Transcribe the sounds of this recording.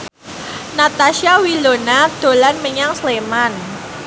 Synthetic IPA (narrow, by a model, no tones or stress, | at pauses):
nat̪aʃiawilonad̪̥o̤lanməɲaŋsleman